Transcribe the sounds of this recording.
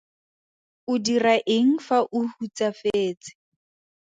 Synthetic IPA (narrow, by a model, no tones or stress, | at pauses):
ʊdiraʔeŋ̩faʔʊhut͡safeːt͡sɪ̥